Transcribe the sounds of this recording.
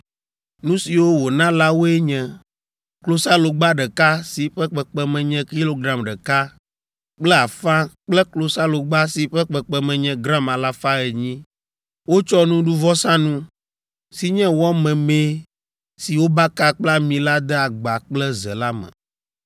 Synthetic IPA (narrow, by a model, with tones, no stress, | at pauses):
nũ˦si˨wo˦wo˨nã˦la˦wo˦ɛ˦ɲɛ̃˨ | klo˦sa˦lo˨ɡ͡ba˦ɖɛ˨ka˦si˨ɸɛ˦k͡pɛ˨k͡pɛ˦mɛ̃˨ɲɛ̃˦ki˦lo˦ɡɾa˨mɖɛ˨ka˦ | k͡plɛ˦a˨fã˦k͡plɛ˦klo˨sa˦lo˨ɡ͡ba˦si˨ɸɛ˦k͡pɛ˨k͡pɛ˦mɛ̃˨ɲɛ̃˦ɡɾã˦ma˨la˦fa˦ɛ˨ɲĩ˦ | wo˦t͡ʃɔ˦nũ˦ɖu˦vɔ˦sã˦nũ˦ | si˦ɲɛ̃˦wɔ˦mɛ̃˨me˦ | si˨wo˦ba˦ka˦k͡pla˦mĩ˨la˦d̪ɛ˦a˨ɡ͡ba˨k͡plɛ˦zɛ̰˨la˦mɛ̰̃˨